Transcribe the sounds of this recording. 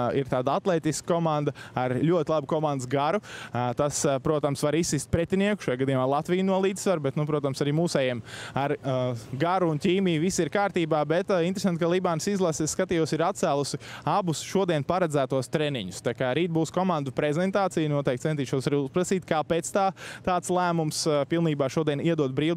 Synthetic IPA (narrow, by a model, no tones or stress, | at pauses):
ḭɾt̪aːd̪aat̪lˠɛːt̪isk̚kɔmãnd̪ɐaɾʎʲuɔt̪ɪlˠabukɔmãnd̪sɡaɾut̪aspɾuɔt̪amsʋaɾisːist̪̚pɾɛt̪ʲiniɛku̥ʃajaɡad̪iːjmaːlˠat̪ʋijnuɔlˠiːd̪̥sʋaɾbɛt̪nupɾuɔt̪amsaɾiːmuːsɛjɛɛmaɾɡaɾuːntʲiːmiːjʋisiɾkaːɾt̪iːbaːbɛt̪int̪ɾes̬ant̪ʲkalˠibaːnsizlˠasɪskat̪iːjuɔsiɾat̪̚sæːlˠusɪabusʃuɔd̪iɛnpaɾɛd̪zæːt̪uɔst̪ɾɛnḭɲust̪akaːɾiːt̪̚buːskɔmand̪upɾɛzɛnt̪aːt̪sijnuɔt̪ɛk̚t̪sɛnt̪iːʃɔsaɾiːuspɾasiːt̪kaːpeːt̪st̪aːt̪aːt̪slˠæːmumspilˠniːbaːʃuɔd̪iɛniɛd̪uɔt̪̚bɾiːw